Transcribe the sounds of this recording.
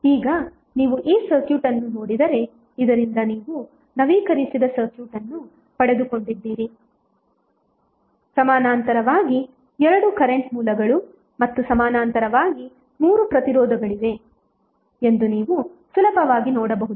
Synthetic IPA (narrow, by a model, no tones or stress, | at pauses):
iːɡɐ | niːʋuʔiːsɐɾkjuːʈɐnːunoːɽid̪ɐɾe̞ | id̪ɐɾind̪ɐniːʋu | nɐʋiːkɐɾisid̪ɐsɐɾkjuːʈɐnːu | pɐɽe̞d̪uko̞ɳɖid̪ːiːɾi | sɐmaːnaːnt̪ɐɾɐʋaːɡi | ɛɾɐɽukɐɾe̞ɳʈmuːlɐɡɐɭu | mɐt̪ːusɐmaːnaːnt̪ɐɾɐʋaːɡi | muːɾupɾɐt̪iɾɔːd̪ɐɡɐɭid̪e̞ | e̞nd̪uniːʋusulɐpɐʋaːɡinɔːɽɐbɐɦud̪u